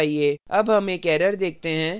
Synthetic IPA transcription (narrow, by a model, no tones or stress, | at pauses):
ɦieːɐbɦɐmeːkɛːɾəɾd̪eːk̚ʰt̪eɦɛ̃ː